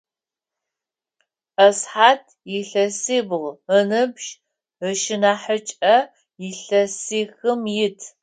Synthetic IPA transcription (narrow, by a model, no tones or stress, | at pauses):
ʔɐsħaːtʰjɪɬɐseːbɨʁənɨbʃ | əʃɪnaːħət͡ʃʼɐ | jɪɬɐsiːxɨmjɪtʰ